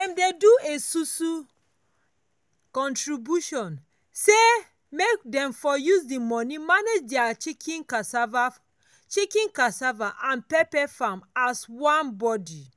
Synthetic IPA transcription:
ɛ̃mdeduesusu | kɔ̃ntɹibjuʃɔ̃n | se | mek̚dɛ̃mfɔjusdimɔnĩmaned͡ʒdɛat͡ʃikĩnasva | t͡ʃekĩnkasavaʔãnpɛpɛfãmaswãnbɔdi

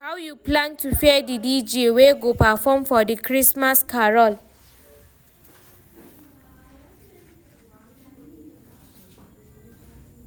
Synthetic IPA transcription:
hawjuplãntufiɛdidid͡ʒeweɡopafɔmfɔdikʰɹismaskʰaɹɔl

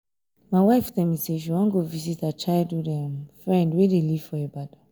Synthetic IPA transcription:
maɪwaɪftɛ̃miseʃ̬iwɔ̃nɡovisitat͡ʃaɪldodɛ̃mfɹɛ̃ndwedeliv̥fɔɛbada

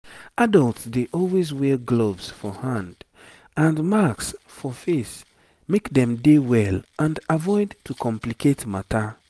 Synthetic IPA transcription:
adɔltsdeʔɔlwezwɛɡlovsfɔhãnd | ãnmaks | fɔfes | mekdɛ̃mdewɛlãndavɔɪdtʰukʰɔ̃mplikʰetmatʰa

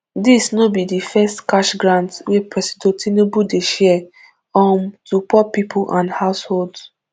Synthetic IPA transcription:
disnɔbidifɛstkaʃɡɹãntwepɹɛsidotʰinebudeʃɛ | ɔ̃mtʰupɔpipʰulʔãnhaʊsholds

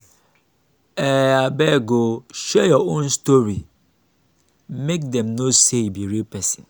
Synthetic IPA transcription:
ɛabɛɡoʃɛjɔõnstoɹi | mek̚dɛ̃mnosebiɹilpɛsĩn

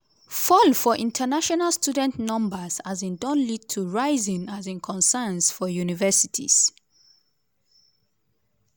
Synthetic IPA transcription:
fɔlfɔʔĩntʰənaʃɔnalˠstudɛ̃ntnɔ̃mbəzazĩndɔ̃nlid̚tʰuɹaɪzɪ̃nazĩnkʰɔ̃nsɛnsfɔjunivɛsitʰḭz̥

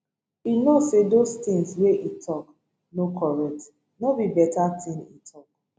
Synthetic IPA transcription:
inɔsedostĩŋsweitʰɔk | nokʰɔɹɛk̚t | nɔbibɛtatʰĩnḭtʰɔk

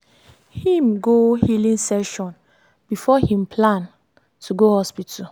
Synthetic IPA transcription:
hĩmɡohilĩnsɛʃɔ̃n | b̥ifɔhĩmpʰlãn | tʰuɡohɔspitʰa

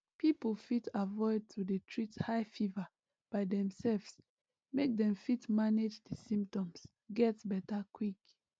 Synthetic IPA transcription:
pʰipəl̩ˠfitʰavɔɪd̚tʰudetʰɹithaɪfivə | b̥aɪdɛ̃msɛlvs | mek̚dɛ̃mfitmaned͡ʒdəsĩmp̚tɔ̃ms | ɡɛtbɛtəkʰwik

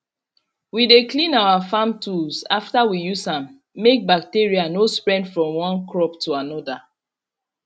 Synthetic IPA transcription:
wideklĩnawafãmtusaftawijusãmː | ek̚bak̚teɹianospɹɛ̃ndfɹɔ̃mwɔ̃nkɹɔptʰuanɔda

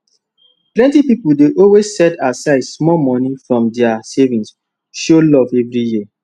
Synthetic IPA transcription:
plɛ̃ntipipuldeʔɔlwezsɛtasaɪsmɔmɔnifɹɔ̃mdɛasevĩns | ʃolɔvɛvɹijiə

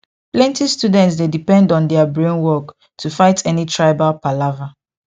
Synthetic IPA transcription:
plɛ̃ntistudɛ̃ntsdedipɛ̃ndɔ̃ndɛabɹẽnwɔk | tʰufaɪtɛnitʰɹaɪbalpalava

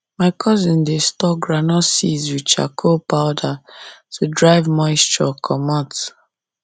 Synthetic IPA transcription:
maɪkʰɔzĩndestɔɡɹanɔsizwit͡ʃa̰kʰopaʊdatudɹaɪvmɔɪstɹɔkʰɔmɔ̃t

